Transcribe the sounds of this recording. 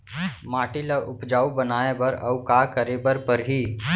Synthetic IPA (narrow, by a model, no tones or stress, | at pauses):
maːʈilaʔʊpd͡ʒaːubɐnaːebɐɾɐ̰wkaːkəɾebɐɾpɐɾɦiː